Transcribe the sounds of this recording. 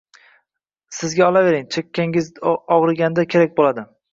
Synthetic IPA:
sɪzɡʲaɒlave̞ɾɪŋt͡ʃʰekʲːaŋʲɪzɒʁɾɪɡʲand̪akʲʰe̞ɾak̚ʲbolad̪ɪ

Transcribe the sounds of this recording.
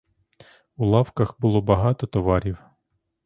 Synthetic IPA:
ulˠɑwkɐxbʊlˠɔbɐɦɑt̪ɔt̪ɔʋɑɾʲiw

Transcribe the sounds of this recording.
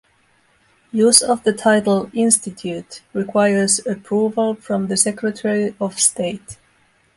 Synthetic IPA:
juzʌvðɨtʰaɪɾl̩ˠɪ̃nstɨtʰjutɹɪkʰw̥aɪə˞zɨpʰɹ̥uvəl̩ˠfɹʌ̃mðɨsɛkʰɹɨtʰɛɹiɔv̥steɪt

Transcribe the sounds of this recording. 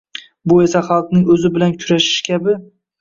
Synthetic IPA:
bʊe̞saχɑlˠqnɪŋɵzɪbɪlankʲʰʊɾaʃɪ̥ʃkʲʰabɪ

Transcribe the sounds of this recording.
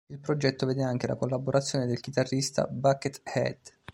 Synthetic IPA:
ilpɾod͡ʒɛt̪ːoveːd̪eaŋk̟ela̰kolːaboɾat̪sːjoːned̪elk̟it̪arːist̪a̰bakːet̪hɛ̰d̪

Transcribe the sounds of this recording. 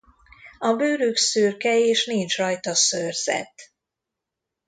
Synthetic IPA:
ɒbøːɾyksyːrkɛeːʃnint͡ʃrɒjt̪ɒsørz̥ɛ̰t̪ː

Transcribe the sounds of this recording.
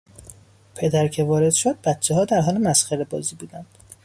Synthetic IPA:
pʰe̞d̪æɾcʰe̞vɒːɾe̞d̪̥ʃod̪̚bæt̪t͡ʃʰːeɦɒːd̪æɾɦɒːlemæsxæɾebɒːziːbuːd̪ænd̪̥

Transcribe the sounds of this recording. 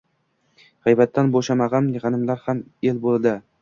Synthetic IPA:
ʁajbat̪ʰːanboʃamaʁɑnɪʁɑnɪmlaɾhamelbolˠd̪ɪ

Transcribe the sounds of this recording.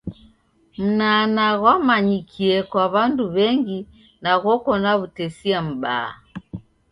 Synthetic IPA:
m̩nanaɣwamaɲikʰiɛkwaβanduβɛŋɡi | naɣɔkɔnaβutɛsiam̩ɓa̰ː

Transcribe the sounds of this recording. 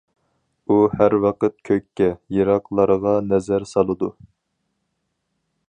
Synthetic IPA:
uhæɾwɑqət̪̚kʲʰøkʲʰːɛjeɾɑqlˠɑɾəʁɑnɛzæɾsɑlˠɨd̪u

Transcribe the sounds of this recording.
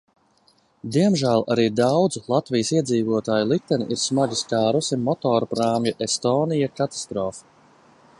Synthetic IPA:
d̪iɛmʒæːlˠa̰ɾiːd̪awd̪zulˠat̪vijəsiɛd̪ziːvuɔt̪aːjulˠikt̪ɛniʔiɾsmaɡiskaːɾusimɔt̪ɔːɾpɾaːmjuʔest̪ɔːnijakat̪ḁst̪ɾɔːfi̥

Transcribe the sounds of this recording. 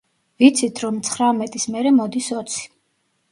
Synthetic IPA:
vit̪sʰit̪ʰɾɔmt̪sʰχɾamɛt̪ʼismɛɾɛmɔd̪isɔt̪sʰi̥

